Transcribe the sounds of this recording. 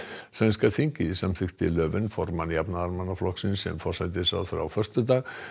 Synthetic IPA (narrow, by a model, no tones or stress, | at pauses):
svɛnskaθiɲcɪisamfʏkt̪ɪ̰lœːvɪnfɔɾmanjapnaaɾmanːaflɔksɪnsɛ̰mfɔ̥sat̪̬ɪsa̰wθɾa̰wfœr̥st̪ʏt̪aːɣ